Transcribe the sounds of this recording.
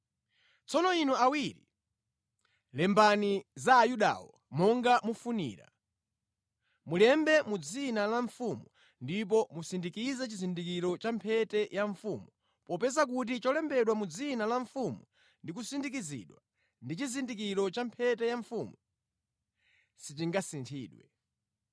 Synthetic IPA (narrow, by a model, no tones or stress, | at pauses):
t͡sɔnɔinuawiɾḭ | lɛmbanizaːjuɗa̰wɔ | mɔŋɡamufunḭːɾa̰ | mulɛmbɛmud͡zinalaɱfumu | ndip̬ɔmusindikizɛt͡ʃizindikiɾɔt͡ʃampʰɛtɛjaɱfumu | pɔpɛzak̬ut̬it͡ʃɔlɛmbɛɗwamud͡zinalaɱfumu | ndik̬usindik̬izḭɗwa | ndit͡ʃizindik̬iɾɔt͡ʃampʰɛtɛjaɱfumu | sitiŋɡasintʰiːɗwɛ̰